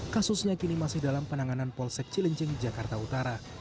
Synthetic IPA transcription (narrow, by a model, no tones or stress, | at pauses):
kasʊsɲakinimasɪhdalampənaŋananpɔlsɛk̚t͡ʃiləɲt͡ʃɪŋd͡ʒakart̪aut̪aɾa